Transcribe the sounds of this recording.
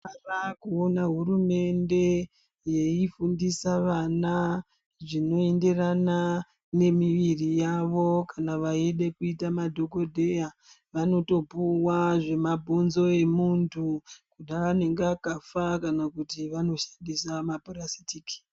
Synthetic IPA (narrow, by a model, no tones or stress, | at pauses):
arakuonaɦurume̞nde̞ | je̞ifundisaʋana | ʐino̞e̞nde̞rana | ne̞miʋirijaʋo̞kanaʋaeɗe̞kuitamadʱo̞ko̞dʱe̞ja | ʋano̞to̞puwaʐe̞mabʱunzo̞e̞muntʰukuɗaʋane̞ŋɡakafakanakutiʋano̞ʃḁndisamapurasi̥tiki̥